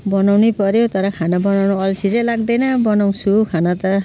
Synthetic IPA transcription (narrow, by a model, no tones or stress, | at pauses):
bɔnawnipɔɾjewt̪ɔɾakʰanabɔnawɽ̃ɔɔlsʰizelaɡd̪ejnabɔnaw̃sukʰanat̪a